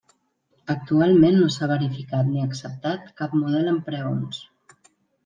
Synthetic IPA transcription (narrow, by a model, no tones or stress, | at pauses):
ək̚t̪ualˠmenːosaβ̞əɾifikat̪niəksəp̚t̪at̪̚kapmuð̞ɛləmpɾəons